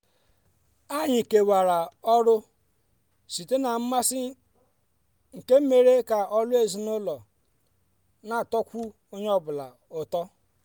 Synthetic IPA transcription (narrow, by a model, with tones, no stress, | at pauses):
a˦ɲɪ˨ke˨wa˨ɾa˨ɔ˦ɾʊ˦ | si˨te˦na˨m̩˦ma˦sɪ˦ | ŋ̩˨ke˦m̩˦me˦ɾe˦ka˨ʔɔ˦lʊ˦e˦zi˨nʊ˦lɔ˨ | na˨tɔ˦kʷu˦ | o˦ɲe˦ɔ˦bʊ˨la̰˨ | ʊ˨tɔ˦